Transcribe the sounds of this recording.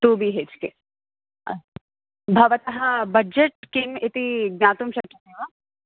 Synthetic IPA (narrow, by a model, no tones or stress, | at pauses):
t̪uːbʱiɦeːt͡ʃke | bʱɐʋɐt̪ɐɦɐbɐd͡ʒeʈ̚kimit̪iɡ̚naːt̪umʃɐkiseːʋa